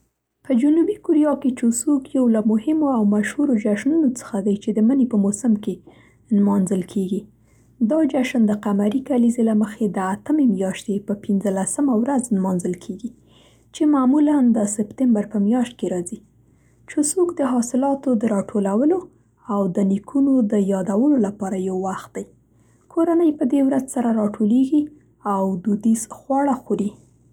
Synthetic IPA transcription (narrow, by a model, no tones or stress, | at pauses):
pəd͡ʒunubikuɾijɑket͡ʃusukjawlamʊhɪmoawmaʃhuɾod͡ʒaʃnunot͡sə̥xad̪ajt͡ʃed̪əmənepəmosəmke | nmɑnzəlkʰeɡi | d̪ɑd͡ʒaʃənd̪əqamaɾikalizelaməxed̪əat̪əmemjɑʃt̪epəpinzəlasəmawɾaznmɑnzəlkʰeɡi | t͡ʃemamuland̪əsɪpt̪ɪmbaɾpəmjɑʃt̪̚keɾɑzi | t͡ʃəsokd̪əɦɑsɪlɑt̪od̪əɾɑʈʰolawəlo | awd̪ənikʰunod̪əjɑd̪awəlolapɑɾajawːaxt̪̚d̪aj | kʰoɾanəjpəd̪ewɾazsaɾaɾɑʈʰoleɡi | awd̪ud̪isxwɑɽaxoɾi